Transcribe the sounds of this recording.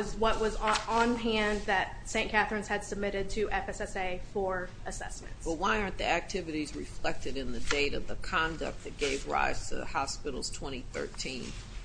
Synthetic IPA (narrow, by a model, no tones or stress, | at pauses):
zwʌʔ̚wʌzə̃nɦæ̃nðɨt̚sẽɪ̃nkʰæθɹɨ̃nz̥ɨd̥səb̚mɪɾɨd̚tʰɨʔɛfɛsɛseɪfə˞ʔɨsɛ̰smɨ̰̃ntsw̥ʌl̚ˠwaɪɑ̃˞nðiæk̚tʰɪvɨɾizɹɨflɛk̚tɨɾɨ̃nðɨdeɪɾʌvðəkʰɑ̃ndɨ̰k̚t̪̚ðɨt̚ɡ̥eɪvɹa̰ɪz̥tʰɨ̰hɑspɪɾl̩ˠz̥tʰw̥ɛ̃ɾ̃iθɜ̰˞tʰĩn